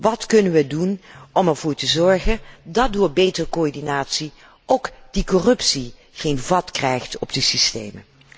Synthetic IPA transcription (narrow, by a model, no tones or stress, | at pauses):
ʋɑtkɵnənʋədunɔmɛɹv̥ʊːɹtəzɔɹχəndɑdʊːɹbejtərkoɔɹdinaːtsi | ʔowkd̥ikɔrɵpsi | χejnvɑtkrɛjχtɔb̚dəsistḛjmə̰